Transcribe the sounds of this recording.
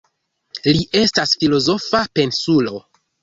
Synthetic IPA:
liʔe̞stasfilo̞zo̞fape̞nsulo̞

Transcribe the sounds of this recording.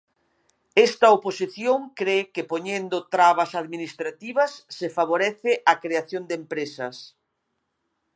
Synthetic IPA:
ɛst̪ɐoposiθjoŋkɾekepoɲend̪ʊt̪ɾaβɐsaðminist̪ɾat̪iβɐsːɪfaβ̞oɾɛθɪʔakɾeaθjond̪empɾesɐs

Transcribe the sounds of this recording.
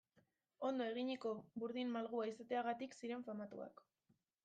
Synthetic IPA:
o̞nd̪o̞e̞ɣ̞iɲiko̞βuɾðinmalɣuaisat̪e̞aɣat̪iksiɾe̞ɱfamat̪ṵa̰k

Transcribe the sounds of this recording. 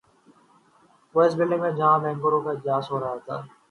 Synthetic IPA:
ʋoːɪs̬bɪlːẽŋmẽd͡ʒɐɦãːbɛ̃ːŋɡoɾõkaɪd͡ʒ̪jaːsɦoːɾɐɦat̪ʰa̰ː

